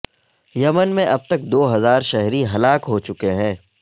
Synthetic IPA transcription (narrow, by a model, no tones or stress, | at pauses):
jɐmənmẽʔɐb̚t̪ɐk̚d̪oːɦɐzaːɾʃɛɦɾiɦɐlaːkɦot͡ʃʊkeɦɛ̃ː